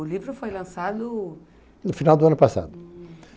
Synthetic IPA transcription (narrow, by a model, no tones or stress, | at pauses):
ʊlivɾʊfojlɐ̃sad̪ʊ | nʊfinawˠd̪ʊɐ̃nʊpasa̰d̪ʊ